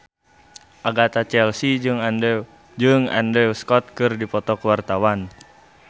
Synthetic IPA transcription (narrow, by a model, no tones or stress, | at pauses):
ʔaɡat̪at͡ʃɛlsid͡ʒɨŋandɛ | d͡ʒɨŋa̰ndɛuskɔt̪̚kɨrdipɔt̪ɔkəwart̪awan